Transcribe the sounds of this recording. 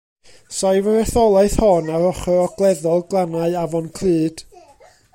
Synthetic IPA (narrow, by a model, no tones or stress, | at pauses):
sajvəɾɛθɔlˠaɨθhɔnaɾɔχɔɔɡ̥lˠɛðɔlˠɡlˠanaɨavɔnkʰl̥ˠɨːd̥